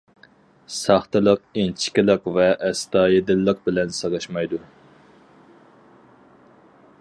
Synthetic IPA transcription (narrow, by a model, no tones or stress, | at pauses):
sɑχt̪ɨlˠəq̚ent͡ʃʰɪ̥kʲilˠɪqvɛʔːst̪ɑːjed̪ɪlːəq̚bɪlɛnsəʁəʃmɑjd̪u